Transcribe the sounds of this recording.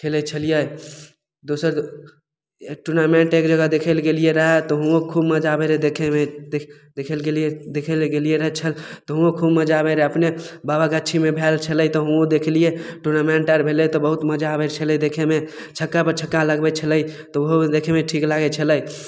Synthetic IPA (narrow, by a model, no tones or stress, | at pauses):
kʰelət͡ʃʰəlije | d̪osəɾ | ʈuɾnameɳʈekd͡ʒəɡəd̪ekʰəlɡelieɾəɦɛt̪ɔɦũokʰubməd͡ʒabeɾed̪ekʰemed̪ekʰəlɡelijed̪ekʰəlɡelieɾəɦɛt͡ʃʰəlt̪ɔɦũõkʰubməd͡ʒabeɾeəpnebabakeətːʃʰimebʱelt͡ʃʰələjt̪ɔɦũod̪ekʰlijeʈuɾnamẽɳʈaɾbʱelet̪ɔbəɦut̪məd͡ʒabeɾt͡ʃʰəlɛjd̪ekʰeme | t͡ʃʰəkːapəɾt͡ʃʰəkːãləɡbɛt͡ʃʰələjt̪ɔʋoɦod̪ekʰemẽʈʰiklaɡɛt͡ʃʰələj